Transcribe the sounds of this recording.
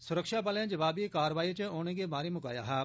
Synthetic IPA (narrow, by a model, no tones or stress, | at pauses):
sʊɾəkʃaːpaːljãd͡ʒɐʋaːbikaːɾʋaːit͡ʃəoːñẽːɡeːmaːɾemʊka̰ːja̰ːɦɛː